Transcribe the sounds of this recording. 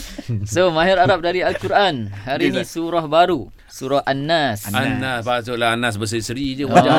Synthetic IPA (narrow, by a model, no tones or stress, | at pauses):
somaɦiɾaɾap̚daɾialkuɾʔanhaɾinĩsuɾahbaɾu | suɾahʔanːasanːasbasoʔlaanas̬bəs̬əisəɾid͡ʒəkd͡ʒa